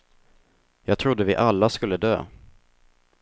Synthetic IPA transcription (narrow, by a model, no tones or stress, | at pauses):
jɑːɡ̚t̪ʰɾʊd̪ːəvɪʔalːaskɵlːəd̪ø̰ː